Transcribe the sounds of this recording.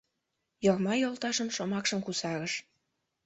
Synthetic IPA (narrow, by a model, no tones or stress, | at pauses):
jɤrmɑjolˠt̪ɑʃəmʃomɑkʃəmkusɑɣəʃ